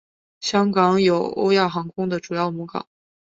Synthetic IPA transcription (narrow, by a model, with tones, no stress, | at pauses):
ɕjɑ˥ŋkɑ˨˧˥ŋjo˨˩ʊo̰˥ʊja˥˩xɑ˧˥ŋkʰʊ˥ŋd̪ə˨ʈ͡ʂu˨˩jɑ˥˩ʊmu˧˥kɑ̰˨˩˦ŋ